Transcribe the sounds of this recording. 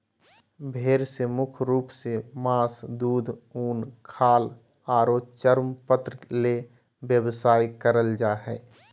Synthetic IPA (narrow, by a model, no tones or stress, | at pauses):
bʱeːɾsemʊkʰɾuːpsemãːsd̪uːd̪ʱuːnkʰaːl | aːɾoːt͡ʃəɾmpət̪ɾəle | bjəbsaːikəɾəld͡ʒaːɦɛː